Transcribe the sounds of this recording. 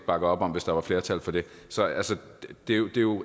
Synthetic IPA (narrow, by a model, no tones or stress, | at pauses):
b̥ɑ̈ɡ̥ð̩ˠɒ̽b̥ɒ̽m̰ʋe̝sd̥ɑ̈ʋɑ̈fle̝ːɐt͡sʰæl̰fɒ̽d̥e̝sɒ̽ælsə̥d̥e̝jod̥e̝jo̝